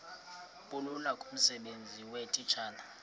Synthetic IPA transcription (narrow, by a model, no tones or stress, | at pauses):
ɓululakʼum̩sɛɓend͡zʱiwetʼit͡ʃʰʼaːna